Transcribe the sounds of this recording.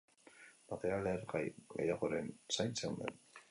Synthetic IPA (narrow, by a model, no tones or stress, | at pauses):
mat̪eɾaleaɾɡḛjaɣoɾensajnseund̪ḛn